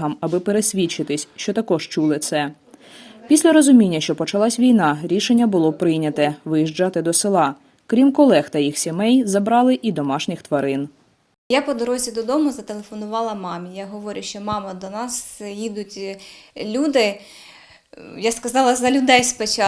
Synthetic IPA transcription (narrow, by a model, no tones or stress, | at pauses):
ɦɐmɐbɪpeɾesʲʋʲit͡ʃɪt̪ɪsʲʃt͡ʃɔt̪ɐkɔʃt͡ʃulˠɪt̪sɛ | pʲisʲlʲɐɾɔzʊmʲinʲːɐʃt͡ʃɔpɔt͡ʃɐlˠɑsʲʋʲijnɑɾʲiʃenʲːɐbʊlˠɔpɾɪjnʲɐt̪ɛʋɪjiʒd͡ʒɑt̪ɪd̪ɔsɪlˠɑ | kɾʲimkɔlˠɛxt̪ɐjixsʲemɛjzɐbɾɑlˠɪʔid̪ɔmɑʃnʲɪxt̪ʋɐɾɪn | japɔd̪ɔɾɔzʲid̪ɔd̪ɔmʊzɐt̪elˠefɔnʊʋɑlˠɐmɑmʲijaɦɔʋɔɾʲʊʃt͡ʃɔmɑmɐd̪ɔnɑsjid̪ʊtʲlʲud̪ɪ | jaskɐzɑlˠɐzɐlʲʊd̪ɛjspet͡ʃɑ